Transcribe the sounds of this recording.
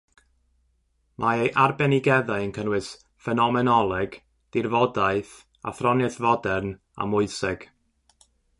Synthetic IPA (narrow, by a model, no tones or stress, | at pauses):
mʔaejʔarbɛnɪɡɛðaɨənkʰənwɨs | fɛnɔmɛnɔlˠɛɡ̥ | d̥ɪrvɔdaɨθ | a̰θrɔnɨθvɔdɛrn | a̰mʊɨsɪɡ̥